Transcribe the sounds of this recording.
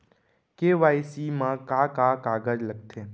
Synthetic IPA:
keʋaːisimãkaːkaːkaːɡəd͡ʒləɡ̚t̪ʰeː

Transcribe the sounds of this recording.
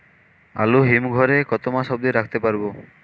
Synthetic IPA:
a̰luɦimɡʱɔɾekɔt̪omaʃɔbd̪iɾakʰt̪epaɾbo

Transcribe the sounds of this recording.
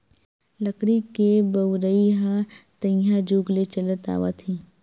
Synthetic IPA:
ləkɽikebəʊɾəiɦat̪ə̃jad͡ʒuːɡlet͡ʃələt̪a̰ːʋa̰t̪ʰĩː

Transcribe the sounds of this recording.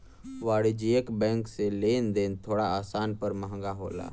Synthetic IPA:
ʋaːɽid͡ʒiekbɛ̃ːŋkseleːnd̪eːnt̪ʰoːɽaaːsaːnpəɾmɐɦə̃ŋɡaɦoːla̰ː

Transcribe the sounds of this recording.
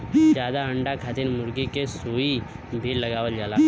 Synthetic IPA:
d͡ʒjaːd̪aə̃ɳɖakʰat̪ɪnmʊɾɡikesuːi | bʱilɐɡaːʋəld͡ʒaːlaː

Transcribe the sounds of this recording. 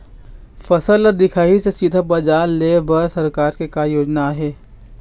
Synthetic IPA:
fɐsəlad̪ɪkʰaːisesid̪ʱabɐd͡ʒaːleːbəɾsɐɾkaːɾkekaːjoːd͡ʒnaɦɛː

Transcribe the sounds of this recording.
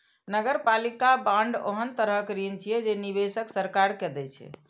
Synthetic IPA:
nəɡəɾpalikabãɳɖə̰ɦənt̪əɾəkɾint͡ʃʰijɛd͡ʒenibesəksəɾkaɾkɛd̪ɛt͡ʃʰɛ̰

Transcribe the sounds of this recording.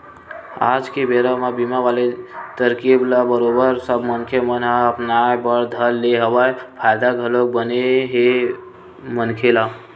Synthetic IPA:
a̰ːd͡ʒkebeɾamabimaʋaːlet̪əɾkiblabəɾobəɾsəbmənkʰemənaəpnajbəɽd̪ʱəlːeɦəwaepʰaːɪd̪aɡʱəlok̚bəneɦe | mənkʰela

